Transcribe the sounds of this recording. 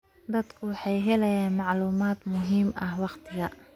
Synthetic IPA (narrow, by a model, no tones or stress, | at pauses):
d̪ɐd̪kʰʊwɑħɑjɦɛlɛjaːnmɑʕluːmaːd̪mʊɦiːmʔɐhwɑqt̪ʰɪɣɐ